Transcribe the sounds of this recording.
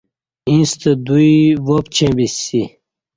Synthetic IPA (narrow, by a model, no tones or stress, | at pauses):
ĩst̪əd̪ujiʋopt͡ɕʰẽbisi